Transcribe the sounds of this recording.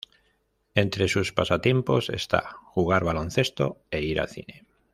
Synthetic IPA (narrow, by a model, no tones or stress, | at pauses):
e̞nt̪ɾe̞suspasat̪je̞mpo̞se̞̰st̪a̰xuɣ̞aɾβalo̞n̟θe̞st̪o̞̰e̞iɾa̰θḭne